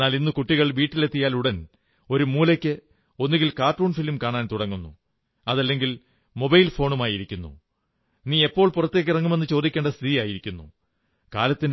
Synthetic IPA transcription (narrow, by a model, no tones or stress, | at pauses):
aːlinːɨkuʈːiɣɐɭʋiːʈːile̞t̪ːijaːluɽɐn | o̞ɾumuːlɐkʲːɨ | o̞nːuɣilkaːrʈroːɳfilmkaːɳaːnt̪uɽɐŋːunːu | ɐðɐlːe̞ŋɡil | mo̞bɐjlfo̞ːɳumaːjiɾikʲːunːṵ | niːe̞pːo̞ːɭpurɐt̪ːe̞ːkːirɐŋːume̞nːɨt͡ɕo̞ːd̪ikʲːe̞ːɳɖɐst̪iɾijaːjiɾikʲːunːṵ | kaːlɐt̪ːin